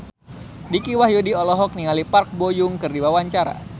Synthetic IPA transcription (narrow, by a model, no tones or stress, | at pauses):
dikiwahjudiɔlɔɦɔk̚niŋalipark̚bojʊŋkɨrdiwawaɲt͡ʃaɾa̰